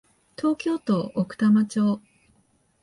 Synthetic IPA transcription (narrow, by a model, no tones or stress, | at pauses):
t̪ʰo̞ːkʲo̞ːt̪o̞ːʔːkɯ̟̥t̪amat͡ɕo̞ː